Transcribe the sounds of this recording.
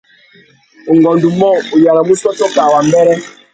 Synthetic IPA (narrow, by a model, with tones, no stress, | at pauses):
o˨ŋɡɔ˨ndu˨mɔ˦˨o˨ja˨ɾa˨mu˦sɔ˦tɔ˦ka˨wa˨mbɛ˦ɾɛ˦